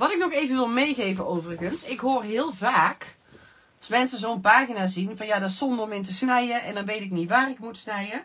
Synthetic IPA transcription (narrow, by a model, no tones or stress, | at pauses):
ʋɔtɪknɔxeːvənʋɪlˠmejɣeːvənoːvərəɣənsɪkɦoːərɦɪəlˠvaːk | ɑsmɛnsəzoːənpaːɣinazinvɔnjadɔtsɔndərɔmɪntəsnɛjəɛndɔnʋejtɪkniʋaːrɪkmutsnɛjə